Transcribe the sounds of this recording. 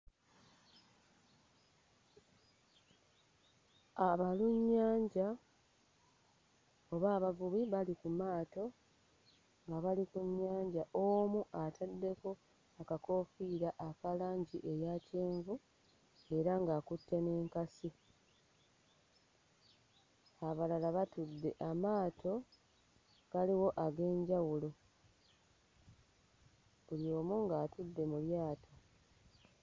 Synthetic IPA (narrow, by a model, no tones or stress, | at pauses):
aβaluɲːaːɲɟa | oβaːβavuβiβalikumaːto̞ | ŋɡaβalikuɲːaːɲɟaʔomuʔatʰadːe̞ko̞ | akako̞ːfiɾaʔːkalaːɲɟiʔe̞jaceːɱvu | e̞ɾaŋɡaːkutːe̞ne̞ːŋkasi | aβalalaβatudːe̞ʔamaːtʰo̞ | kaliwo̞ʔaɡe̞ːɲɟawulo̞ | uljo̞ːmuŋɡaːtudːe̞muljaːtʰo